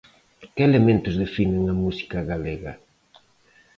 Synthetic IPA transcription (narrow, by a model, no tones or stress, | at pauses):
kɪelemẽnt̪ʊzðefineŋɐmusi̥kɐɣaleɣɐ̰